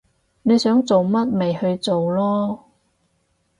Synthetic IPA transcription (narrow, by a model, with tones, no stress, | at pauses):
ne˨˧jsœː˨˥ŋt͡so˨wmɐ˥t̚me˨jhɵ˧ɥt͡so˨wlɔː˥